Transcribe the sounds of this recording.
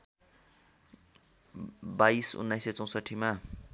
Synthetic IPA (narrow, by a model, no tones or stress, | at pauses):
baisṵnːajset͡sʌ̃w̃sʌʈʰːima